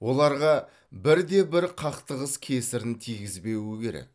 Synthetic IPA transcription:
wo̞lˠɑɾʁɑ | bɪɾd̪e̞bɪɾqʰɑqt̪əʁəskʲʰe̞sɪɾɪnt̪ʰijɡʲɪzbe̞wɪkʲe̞ɾḛk̚

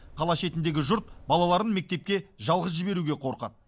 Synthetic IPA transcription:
qʰɑlˠɑʃe̞t̪ɪnd̪e̞ɡʲɪʒʊɾt̪̚bɑlˠɑlˠɑɾənme̞k̚t̪e̞p̚kʲe̞ʒɑlˠʁəz̬ʒɪbe̞ɾuɡʲe̞qʰo̞ɾqɑ̰t̪

